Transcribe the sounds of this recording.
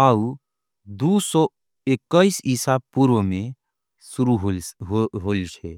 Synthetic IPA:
au | d̪usɔ | ekːəisisab̚puɾwəmẽ | suɾuɦɦɦolt͡ʃʰɛ

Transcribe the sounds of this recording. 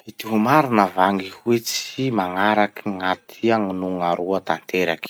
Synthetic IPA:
it̪iɦumaɾinəvaŋihuet͡simaŋaɾakiŋat̪ʰiaŋinuŋaɾuat̪ant̪eɾaki̥

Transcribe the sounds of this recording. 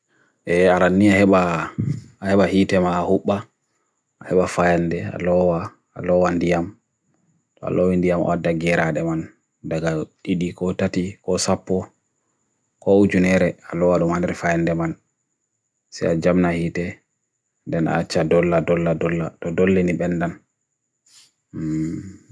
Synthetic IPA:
ʔɛaɾanːiahɛɓaː | hɛɓahitɛmaːhuɓːa | ʔahɛɓafajandɛa̰lɔwa̰ː | lɔwandijam | tɔa̰lɔwindijamɔ̰adːaɡɛɾaɗɛman | daɡaɗiɗikɔtatikɔsapːɔ | kɔud͡ʒunɛɾɛalɔwaɗumhandɛɾɛfajandɛman | sɛ̰jad͡ʒamnahiːtɛ | ndɛna̰ːt͡ʃːadɔlːadɔlːadɔlːatɔdolːiniɓɛnːdan

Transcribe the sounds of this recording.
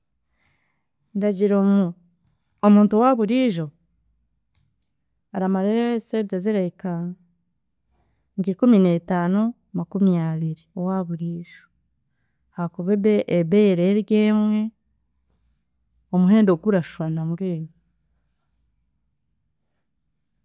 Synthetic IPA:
ndaɟiɾomu | omuːntuwaβuɾiːʒo̞ | aɾamaɾeɾesetaziɾeika | ŋɡikumine̞ːtaːno | makumijaβiɾiowaːβuɾiːʒo | hakuβeβeʔːβeɾeɾjeːmwe̞ | omuɦe̞ːndoɡuɾaʃwanamɡeni

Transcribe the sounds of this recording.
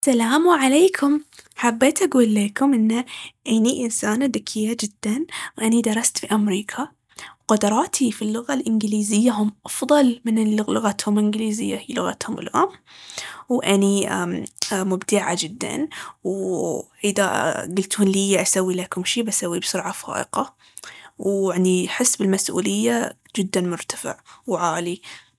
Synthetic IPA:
salaːmwʕaleːkʰʊmħabːeːt̪ʔaɡuːlːeːkʊmʔɪnːaʔaniʔɪnsaːnad̪ɪkʰːɪjːad͡ʒɪd̪̥ːanwʔanid̪ɑɾˤɑst̪fiʔamɾiːkʰa | wqʊd̪ɑɾˤɑːt̪ʰifilːʊɣalʔɪnɡliːzɪjːaɦʊmʔɑfðˤɑlmɪnʊlʊɣat̪hʊmʔɪnɡliːzɪjːahiːlʊɣa̰t̪hʊmɪ̰lʔʊmː | wʔaniamʊbd̪ɪʕad͡ʒɪd̪ːa̰nwʔɪða̰ɡʊlt̪ʊnlijaʔasawːilakʊmʃiːbasawːibsʊɾʕafa̰ːʔɪ̰qɑ | waʕniħɪsːbɪlmasʔṵːlɪjːa | d͡ʒɪd̪ːanmʊɾt̪ḁfɪ̰ʕwʕaːli

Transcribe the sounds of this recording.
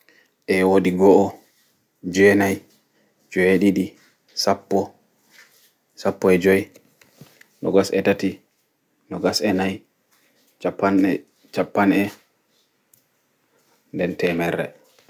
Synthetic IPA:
ʔɛwoɗiɡɔʔɔ | d͡ʒɔɛnaj | d͡ʒɔjeɗiɗi | sapːɔ | sapːɔɛd͡ʒɔj | nɔɡasɛtati | nɔɡasɛnaj | t͡ʃapːanɛ | t͡ʃapːanɛ | ndɛntɛmɛɾːɛ̰

